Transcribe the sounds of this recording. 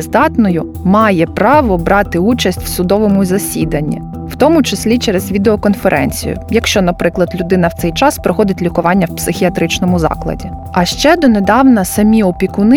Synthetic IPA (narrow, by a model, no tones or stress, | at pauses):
zd̪ɑt̪nɔjʊ | mɑjɛpɾɑʋɔbɾɑt̪ɪut͡ʃɐsʲtʲw̥sʊd̪ɔʋɔmʊzɐsʲid̪ɐnʲːḭ | w̥t̪ɔmʊt͡ʃɐsʲlʲit͡ʃɛɾezʋʲid̪eɔkɔnfeɾʔɛ̰nʲt͡sʲḭjʊ̰jɐkʃt͡ʃɔnɐpɾɪklˠɐd̪lʲʊd̪ɪnɐwt̪sɛjt͡ʃɑspɾɔxɔd̪ɪtʲlʲikʊʋɑnʲːɐwpsɪxʲiɐt̪ɾɪt͡ʃnɔmʊzɑ̰klˠɐ̰dʲi | ɐʃt͡ʃɛd̪ɔned̪ɑwnɐsɐmʲiɔpʲikʊn